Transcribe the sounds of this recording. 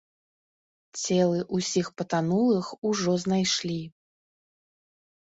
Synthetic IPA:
t͡sʲɛlˠɨʔusʲixpɐt̪anulˠɨxuʐɔznajʂlʲi

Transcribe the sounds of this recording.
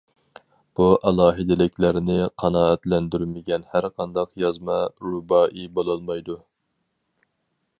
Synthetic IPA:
b̥uʔɑlˠɑːɦɪd̪ɪlɪkʲlæɾnɪqʰɑnɑːɛt̪lɛnd̪yɾmɪɡʲɛnhæɾqʰɑnd̪ɑqjɑzmɑɾubɑːʔibolˠɑlˠmɑjd̪u

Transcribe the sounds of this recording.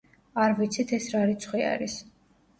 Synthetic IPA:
aɾvit̪sʰit̪ʰɛsɾaɾit̪sʰχwia̰ɾis

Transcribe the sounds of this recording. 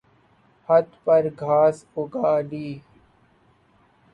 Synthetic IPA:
hɐt̪pɐɾɡʱaːsʊɡaːliː

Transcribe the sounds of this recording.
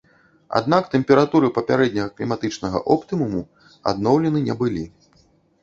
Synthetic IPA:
a̰d̪n̪akt̪ɛmpʲɛɾat̪uɾɨpɐpʲaɾɛd̪ʲnʲɐɣɐklʲimat̪ɨt͡ʂnɐɣɐ̰ʔɔpt̪ɨmumu | a̰d̪nɔwlʲɛnɨnʲɛbɨlʲi

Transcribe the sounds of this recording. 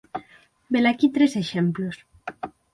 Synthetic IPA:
belakit̪ɾeseʃemplos

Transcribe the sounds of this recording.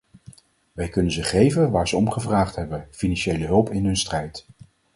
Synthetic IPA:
ʋɛjkɵnənzəχejvənʋaːɹzəɔmχəvraːχtɦɛbənfinɑnʃejləɦɵlˠpɪnɦɵnstrɛjt

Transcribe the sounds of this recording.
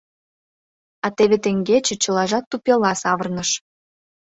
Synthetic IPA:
ɑt̪eβet̪eŋɡet͡ɕĕt͡ɕə̆lɑʒɑt̪ːupʲelɑsɑβərnəʃ

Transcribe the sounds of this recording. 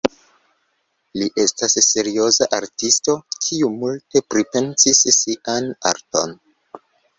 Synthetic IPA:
liʔe̞stasːe̞ɾio̞zaʔaɾtisto̞kʰiumulte̞pɾipe̞nsisːiʔana̰ɾto̞̰n

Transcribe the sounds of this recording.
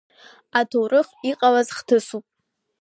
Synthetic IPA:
atʰowɾɨχiqʼalazχtʰɨsupʼ

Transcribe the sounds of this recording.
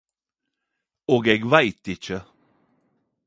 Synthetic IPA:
oɡɛɡvajt̪ːɪt͡ʃə

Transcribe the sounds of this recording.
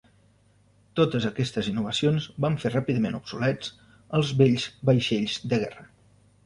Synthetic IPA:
t̪ot̪əzəkɛst̪əzinːuβ̞əsionzbaɱferapiðəmenubsulɛt͡s | əlˠzβeʎzbəjʃeʎzd̪əɣɛrə

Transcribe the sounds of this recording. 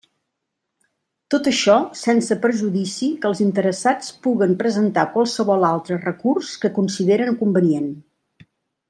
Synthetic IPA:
t̪ot̪əʃɔsɛnsəpɾʒuðisikəlˠzint̪əɾəsat͡spuɣəmpɾəzənt̪akwalˠsəβɔlˠalˠt̪ɾərəkurskəkunsiðeɾənkumbənien

